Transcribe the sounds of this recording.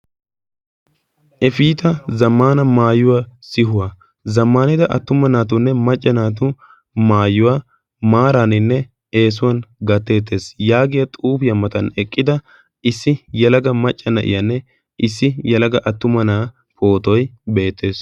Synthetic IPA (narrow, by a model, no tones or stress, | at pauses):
ʔɛfiːt̪ɐzɐmːaːnɐmaːjʊwaːsɪɦʊwa | zɐmːaːnɪd̪ɐʔɐ̰t̪ːʊmɐnaːt̪̬ʊnːɛmɐt͡ʃʼːɐnaːt̪̬ʊ | maːjʊwaː | maːɾaːnɪnːɛ | e̞ːs̬ʊwɐnɡɐt̪ːe̞ːt̪ːe̞ːsjaːɡɪjɐt̪ʼuːpɪjɐmɐt̪ɐnɛkʼːɪd̪ɐ | ɪsːɪjɛlɐɡɐmɐt͡ʃʼːɐnɐ̰ʔɪ̰jɐnːɛ | ʔɪsːɪjɛlɐɡɐʔɐt̪ːʊmɐnaː | pʰo̞ːt̪ɔjbe̞ːt̪ːe̞ːs